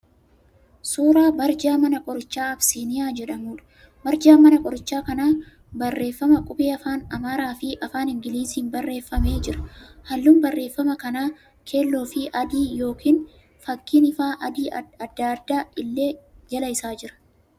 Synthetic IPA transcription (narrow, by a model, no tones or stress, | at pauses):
suːɾaːbɐɾd͡ʒaːmɐnɐkʼɔɾɪt͡ʃːaːɐbsiːnɪjaːd͡ʒɛᶑɐmuːᶑɐ̥ | bɐɾd͡ʒaːmɐnɐkʼɔɾɪt͡ʃːaːkɐnaː | bɐrːe̞ːfːɐmɐkʼʊbʼeːɐfaːnɐmaːɾaːfɪʔɐfaːnhɪŋɡɪliːsnbɐrːe̞ːfːɐme̞ːd͡ʒɪɾɐ̥hɐlːuːnbɐrːeːfːɐmɐkɐnaː | kʰe̞ːlːo̞ːfɪʔɐd̪iːjo̞ːkʰiːn | fɐkːiːnɪfaːʔɐd̪iːɐd̪ːɐɐd̪ːaːʔɪlːe̞ːd͡ʒɐlɐjɪsaːd͡ʒɪɾɐ̥